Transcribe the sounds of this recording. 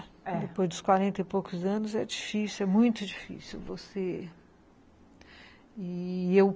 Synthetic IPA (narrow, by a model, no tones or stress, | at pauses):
ɛd̪epojzd̪ʊskwaɾẽnt̪ɐipowkʊzɐ̃nʊzɛd͡ʒifisiɛmũj̃t̪ʊd͡ʒifḭsiwvose | iew